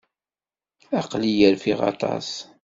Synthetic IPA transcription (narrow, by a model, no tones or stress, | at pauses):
ɑqlijəɾfiʁɑ̰t̪ˤɑ̰s